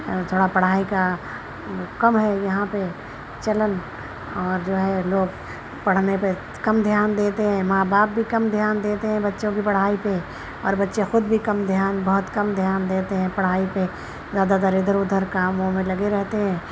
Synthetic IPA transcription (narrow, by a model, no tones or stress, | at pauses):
t̪ʰoːɽapɐɽ̤aːika | kɐmɦɛjɐɦãpe | t͡ʃɐlən | ɔːɾd͡ʒoːɦɛloːɡ | pɐɽ̤nepe | kɐmd̪ʱjaːnd̪eːt̪eɦɛ̃ːmaːbaːp̚bʱikɐmd̪ʱjaːnd̪eːt̪eɦɛ̃bɐtːʃõkipɐɽ̤aːipe | ɔ̰ːɾbɐtːʃẽxʊd̪̚bʱikɐmd̪ʱjaːnbɐɦʊt̪kɐmd̪ʱjaːnd̪eːt̪eɦɛ̃pɐɽ̤aːipe | zjaːd̪aːzaɾɪd̪ʱəɾʊd̪ʱəɾkaːmõmẽlɐɡeɾɛɦt̪eɦɛ̃ː